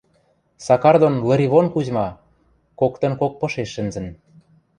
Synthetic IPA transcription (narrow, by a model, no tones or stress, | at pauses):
sɑkɑrd̪onlɤ̆ɾʲiβonkuʑmɑ | kokt̪ə̆nkok̚pɤ̆ʃeʃːɘ̆nzə̆n